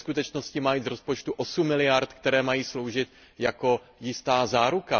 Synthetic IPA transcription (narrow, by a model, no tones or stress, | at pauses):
skut̪ɛt͡ʃno̞scɪmajizɾo̞spot͡ʃt̪uʔosumːɪlɪjaɾt̪kt̪ɛɾɛːmajiːslo̞wʒɪt̪ | jako̞ | jɪst̪aːzaːɾuka